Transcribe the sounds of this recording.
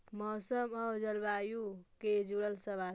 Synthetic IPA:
mɔːsəməwd͡ʒəlbajuked͡ʒuɽəlsəβal

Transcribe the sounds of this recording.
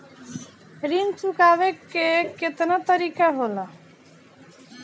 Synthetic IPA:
ɾint͡ʃukaːʋekːeket̪nat̪əɾiːkaɦoːla

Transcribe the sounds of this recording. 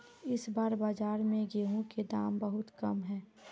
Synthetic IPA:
ɪsbaːɾbaːd͡ʒaːɾmẽɡeːɦõked̪aːmbəɦʊt̪kɐmɦɛ̃ː

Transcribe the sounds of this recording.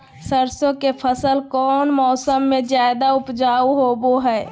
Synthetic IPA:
səɾsõkepʰəsəlkɔːnmɔːsəmːẽzjaːɪd̪aʊpd͡ʒaːuɦoːboɦɛː

